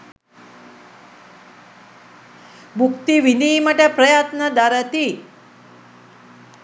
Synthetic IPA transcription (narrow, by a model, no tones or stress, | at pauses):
bukt̪iʋiniːmɐʈapɾɐjat̪nɐd̪aɾət̪i